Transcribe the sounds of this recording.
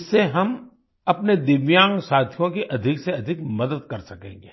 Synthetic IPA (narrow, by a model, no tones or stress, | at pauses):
sːeɦɐm | ɐpned̪ɪʋjãːŋɡsaːt̪ʰijõkiʔɐd̪ʱɪkseɐd̪ʱɪkmɐd̪əd̪kɐɾsɐkḛ̃ːŋɡeː